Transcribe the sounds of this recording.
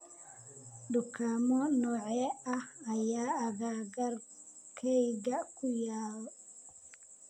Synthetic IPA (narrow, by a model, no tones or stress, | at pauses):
dukʰamɔnɔʕɛaːjaːaɡaːɡaɾ | kʰɛjɡakʰujaːwɔ